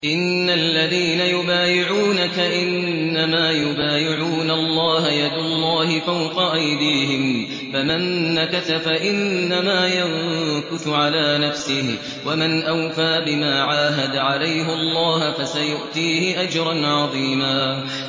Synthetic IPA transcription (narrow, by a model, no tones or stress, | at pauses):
ʔɪnːalːaðiːnajʊbaːjɪʕuːnakaʔɪnːamaːjʊbaːjɪʕuːnalˤːɑːɦajad̪ʊlˤːɑːhɪfawqɑʔajd̪iːɦɪm | famanːakaθafaʔɪnːamaːjaŋkʊθʊʕalaːnafsɪhɪ | wamanʔawfaːbɪmaːʕaːɦad̪ʕalajɦɪɑlˤːɑːhfasajʊʔt̪iːhɪʔad͡ʒɾˤɑnʕɑðˤiːmaː